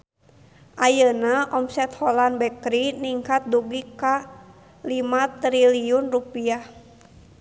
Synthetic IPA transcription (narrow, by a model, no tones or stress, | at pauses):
ʔajənaʔɔmsɛt̪hɔlanbɛkɾiniŋkat̪̚duɡika | limat̪ɾiliunrupiah